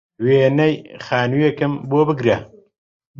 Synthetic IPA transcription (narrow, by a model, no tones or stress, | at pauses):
weːnɐjxaːnujekɨmboːbɨɡɾe